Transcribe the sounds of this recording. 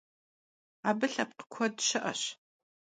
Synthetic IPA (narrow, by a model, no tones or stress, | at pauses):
aːbɨɬɐp̚qə̥kʷʰɔdɕɪʔɐ̰ɕ